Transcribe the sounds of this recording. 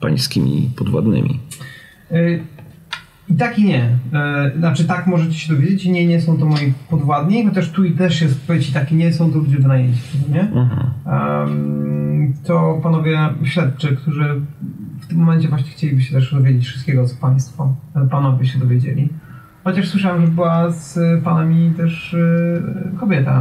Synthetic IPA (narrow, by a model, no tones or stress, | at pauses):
pa̰j̃skʲḭmʲḭpɔd̪vwa̰d̪nɘ̰mʲḭ | it̪akʲiɲɛ | nat͡ʂɨt̪akmɔʐɛt͡ɕi̥ɕɛd̪ɔvʲjed͡ʑet͡ɕiɲɛɲɛsɔ̃w̃t̪ɔmɔjipɔd̪vwad̪ɲixɔt̪ɛʂt̪uit̪ɛʂjɛst̪̚pɔvʲet͡ɕit̪akʲiɲɛsɔ̃w̃t̪ɔlud͡ʑmvnajɛɲt͡ɕɛ̥ɛd̪ɔɲɛ | t̪ɔpanɔvʲjɛɕlʲɛt̪̚t͡ʂɨkt̪uʐɘft̪ɘmːɔmɛɲt͡ɕɛvwaɕɲɛxt͡ɕelʲibɘɕɛt̪ɛʂd̪ɔvʲed͡ʑet͡ɕfʂɨst̪̚kʲɛɡɔt̪sɔ̥paj̃st̪fɔpanɔvʲjɛɕɛd̪ɔvʲjed͡ʑḛlʲi | xɔt͡ɕaʂswɨʂawamʐɛbɘwaspanamʲit̪ɛʂ | kɔbʲjɛt̪a̰